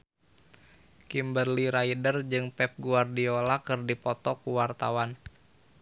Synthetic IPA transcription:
kimbərliɾaidərd͡ʒɨŋpɛp̚ɡuardiolakɨrdipɔt̪ɔkuwart̪awan

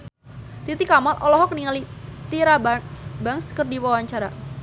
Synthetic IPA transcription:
t̪it̪ikamalʔɔlɔɦɔk̚niŋalit̪iɾabaŋskərdiwawaɲt͡ʃaɾa

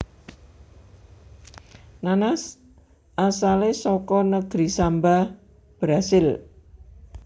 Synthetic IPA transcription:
nanas | ʔasalesɔkɔnəɡ̥ɾisamba | b̥ɾasɪl

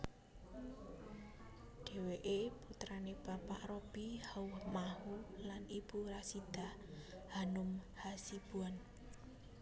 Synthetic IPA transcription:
ɖ̥e̤weʔeput̪ɾaneb̥a̤pa̰ʔrɔb̥ihauhmahulanib̥uɾasid̪̥a̤hhanʊmhasib̥uan

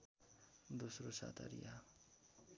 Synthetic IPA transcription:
d̪osrosa̰t̪ʰa̰ɾḭja

